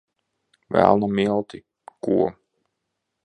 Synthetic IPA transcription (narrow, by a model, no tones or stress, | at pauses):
væ̰lˠnamilˠt̪i | kuɔ